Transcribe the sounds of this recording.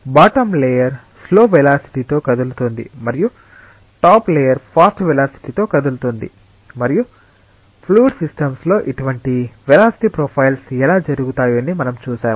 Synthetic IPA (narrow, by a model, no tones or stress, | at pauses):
baːʈɐmlejɐɾ | slo̞ːʋɛlaːsi̥ʈit̪o̞ːkɐd̪ulut̪ond̪ḭmɐɾiju | ʈaːpleːjɐɾpʰaːsʈʋɛlaːsi̥ʈiːt̪o̞ːkɐd̪ulut̪und̪ḭ | mɐɾiju | pʰluːɖsisʈɐmslo̞ːʔiʈuʋɐɳʈiʋɛlaːsi̥ʈiːpɾoːpʰɐjlsɛlaːd͡ʒɐɾuɡut̪aːjoɐnimɐnɐmt͡ʃuːsaː